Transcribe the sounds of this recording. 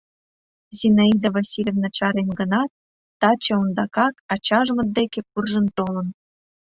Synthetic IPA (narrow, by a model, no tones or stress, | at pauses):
zʲinaid̪ovɑsʲilʲevnɑ̆t͡ɕɑɾenɡənɑt̪̚ː | ɑt͡ɕĕond̪ɑkɑkɑt͡ɕɑʒmə̆t̪̚d̪ekek̚urʒə̆nt̪olə̆n